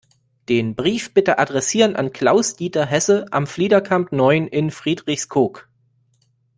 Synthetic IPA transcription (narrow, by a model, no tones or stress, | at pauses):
d̥eːnbʁiːfb̥ɪtəʔadʁɛsiːʁənʔa̰nkʰl̥aʊsd̥iːtɐɦɛsəʔa̰mfliːdɐkʰamtnɔʏənʔɪnfʁ̥iːdʁɪçskʰoːk